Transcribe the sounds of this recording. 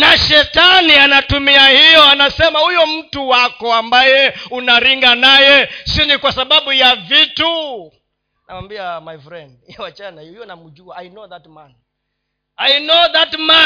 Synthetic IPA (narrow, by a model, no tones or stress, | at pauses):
naʃɛtanianatumiahijɔanasɛmahujɔm̩tuwakɔambajɛunaɾiŋɡanajɛsinikwasaɓaɓujavitu | nʔawambiamajfɾɛndhiɔwat͡ʃanahujɔnamud͡ʒuaːjnɔðat̚mani | ajnɔðatma